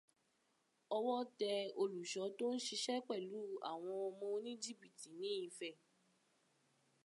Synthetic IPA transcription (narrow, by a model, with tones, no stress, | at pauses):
ɔ˧wɔ˦tɛ˧o˧lu˨ʃɔ˨˦to˦n̩˦ʃi˧ʃɛ˦k͡pɛ˦˨lu˨˦a̰˦˨w̃ɔ̃˧ɔ˧mɔ̃˧˦nĩ˦d͡ʒi˦bi˨ti˨˦nĩ˨˦i˨˧fɛ˦˨